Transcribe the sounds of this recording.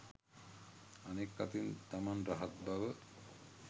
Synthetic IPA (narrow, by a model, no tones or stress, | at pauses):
anekːat̪int̪amanɾaɦat̪̚bʱaʋə